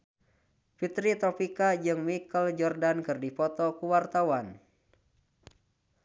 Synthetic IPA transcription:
fit̪ɾit̪ɔpikad͡ʒɨŋmikəld͡ʒɔrdankɨrdipɔt̪ɔkuwart̪awan

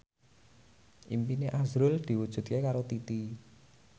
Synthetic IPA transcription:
ʔimpineʔazɾʊld̪̥i̤wud̥ʒ̥ṳt̪̚kekaɾot̪it̪i

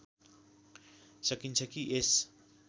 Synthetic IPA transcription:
sʌkint͡sʰʌkiʔes

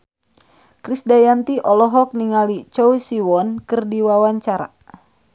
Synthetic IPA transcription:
kɾisdajant̪iʔɔlɔɦɔk̚niŋalit͡ʃɔwisiwɔnkɨrdiwawaɲt͡ʃaɾa̰

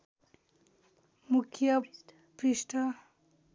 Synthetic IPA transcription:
mukʰjʌ | pɾiʂʈʰʌ

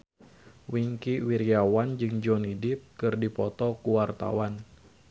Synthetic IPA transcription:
wiŋkiwiɾiawand͡ʒɨŋd͡ʒɔnidɪp̚kɨrdipɔt̪ɔkuwart̪a̰wan

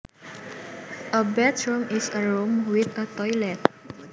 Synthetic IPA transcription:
ʔəbɛtɹumɪsəɹumwɪθət̪ɔjlɛt̪̚

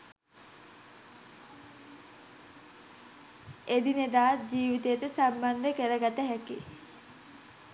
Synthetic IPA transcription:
ed̪ined̪aːt̪̚d͡ʑiːʋit̪ejet̪əsamband̪əkeɾəɡat̪əɦɛkḭ

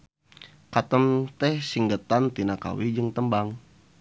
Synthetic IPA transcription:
kat̪əmt̪ɛhsiŋɡət̪ant̪inaka̰wid͡ʒəŋt̪əmbaŋ

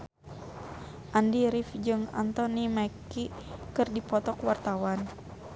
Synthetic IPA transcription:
ʔandiɾifd͡ʒɨŋa̰nt̪ɔnimakikɨrdipɔt̪ɔkwart̪awan

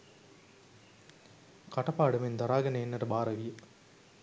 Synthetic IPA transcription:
kɐʈɐpaːɽɐmend̪ɐɾaːɡɐnɐenːɐɾɐbaːɾɐʋijɐ

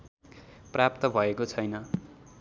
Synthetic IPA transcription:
prap̚t̪ʌbʱʌekot͡sʰʌjnʌ

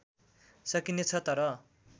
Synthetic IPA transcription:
sʌkinet͡sʰʌt̪ʌɾʌ

